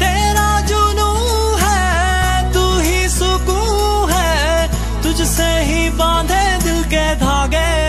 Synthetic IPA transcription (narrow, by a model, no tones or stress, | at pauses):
t̪eːɾaːd͡ʒoːnũː | ɦɛː | t̪uːɦisʊkũː | ɦɛː | t̪ʊd͡ʒsẽːɦiːbãːd̪ʱeːd̪ɪkeːd̪ʱaːɡɛː